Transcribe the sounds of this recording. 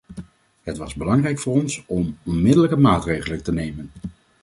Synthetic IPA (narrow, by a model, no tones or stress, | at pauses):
ɦətʋɑzbəlɑŋrɛjkfʊːrɔnsɔmɔnmɪdələkəmaːtrejχələntənejmən